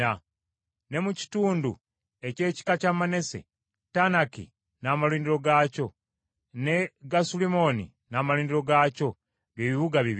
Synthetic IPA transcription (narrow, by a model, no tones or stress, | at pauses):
a | ne̞muci̥tuːndu | e̞ce̞ːci̥kacamane̞se̞̰ | tanakḭ | naːmaliːndiɾo̞ɡaːco̞ | ne̞ɡasulimo̞nḭ | naːmaliːndiɾo̞ɡaːco̞ | βjeβiβuɡaβiβ